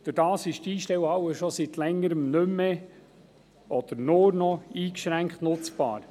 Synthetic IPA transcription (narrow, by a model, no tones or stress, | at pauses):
d̥ʊɾd̥ɑːsɪʃtiːʃtɛwhɑwəʃɔsit̪lɛŋːəɾəmnɵmːe | ɔd̪̥əɾnʊɾnɔiːkʃɾæŋkχt̪nʊt͡sb̥ɑ̰ːɾ